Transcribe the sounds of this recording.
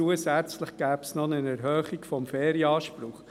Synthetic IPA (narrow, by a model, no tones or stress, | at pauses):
uəsæt͡sləχɡ̥æːpsnɔnənɛɾɦœːχikfɔmfeːɾjɑːʃpɾʊχ